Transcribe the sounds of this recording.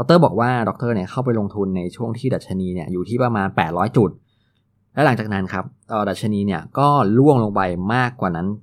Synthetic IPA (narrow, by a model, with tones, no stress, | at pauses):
ɔ˦˥k̚t̪ɤː˥˩bɔː˨˩k̚waː˥˩dɔ˧˦˥k̚t̪ɤː˥˩ni˥˩əkʰa˥˩wp̬a˧jlo˧ŋt̪ʰu˧nːa˧jt͡ɕʰu˥˩əŋt̪ʰiː˥˩da˨˩t̪̚t͡ɕʰa˧niː˧ni˥˩əjuː˨˩t̪ʰiː˥˩pɾa˧maː˧npɛː˨˩t̪̚ɾɔː˦˥jt͡ɕu˨˩t̪̚ | lɛ˦˥la˨˩˦ŋt͡ɕaː˨˩k̚na˦˥nkʰa˦˥p̚ʔəː˨˩da˨˩t̪̚t͡ɕʰa˧niː˧ni˥˩ɐkɔː˥˩lu˥˩əŋlo˧ŋpa˧jmaː˥˩kwaː˨˩na˦˥n